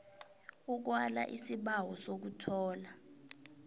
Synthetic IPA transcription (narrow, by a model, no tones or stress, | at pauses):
uk̬wala̰ʔisiɓawɔsok̬utʰɔːla